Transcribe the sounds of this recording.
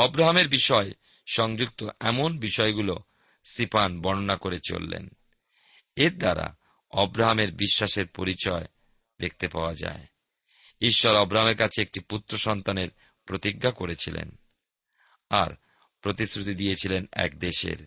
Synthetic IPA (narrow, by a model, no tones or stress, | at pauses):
ɔbɾaɦameɾbiʃɔe | ʃɔŋd͡ʑuk̚t̪oʔɛmonbiʃɔeɡulo | sipanbɔnonakoɾet͡ɕo̰lːḛn | eɾd̪aɾa̰ | ɔbɾaɦameɾbiʃːaʃeɾpoɾit͡ɕɔe | d̪ek̚ʰt̪epaoad͡ʑa̰e | iʃːɔɾɔbɾaɦameɾkat͡ɕʰeek̚ʈiput̪ːɾoʃɔnt̪aneɾ | pɾot̪iɡːakoɾet͡ɕʰilḛn | a̰ɾ | pɾot̪isɾut̪id̪ijet͡ɕʰilenɛ̰k̚d̪eʃḛɾ